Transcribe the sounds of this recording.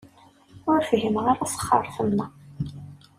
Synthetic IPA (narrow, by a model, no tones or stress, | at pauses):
ʊɾfɦimʁaɾæsə̥χːɑ̰ɾˤθəmːæ